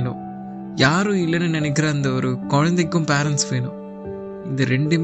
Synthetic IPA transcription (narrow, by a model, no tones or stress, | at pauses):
nu | jaːɾuilːɐnenɐnɛkːɪɾɐːnd̪ɐʋɐɾukɔːɻɐnd̪iɡːumpaːɾɐnsʋeːnu | ind̪ɐɾeɳɖim